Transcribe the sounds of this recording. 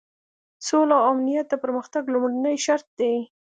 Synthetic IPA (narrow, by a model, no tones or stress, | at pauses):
solawamnijat̪̚d̪əpəɾməxt̪aɡlʊmɽanəjʃaɾt̪̚d̪e